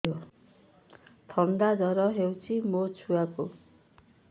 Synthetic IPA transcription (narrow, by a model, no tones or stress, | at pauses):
o | t̪ʰʌnd̪ad͡zʌɾʌɦewt͡simot͡sʰuwako